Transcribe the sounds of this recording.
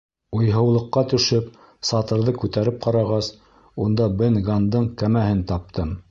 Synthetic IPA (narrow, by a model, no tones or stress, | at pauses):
ujɦɤ̆wlˠɤ̆qːɑt̪ɵ̆ʃɘp | sɑt̪ɤ̆ɾðɤkʉt̪æɾɘp̚qɑɾɑʁɑs | und̪ɑbɘnɡand̪ɤɴkæmæhɘnt̪ɑp̚t̪ɤm